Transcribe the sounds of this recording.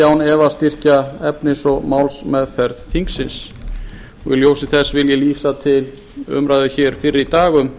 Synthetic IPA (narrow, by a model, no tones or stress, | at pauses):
awnɛvast̪ir̥caɛpnɪsɔɣmawlsmɛðfɛɾðθiŋksɪns | ɔɣjɪ̰ljoːwsɪθɛsːvɪljɛliːsat̪ʰɪl | ʏ̰mɾaːjðʏçɛːɾ̥fɪrːɪit̪aːɣʏm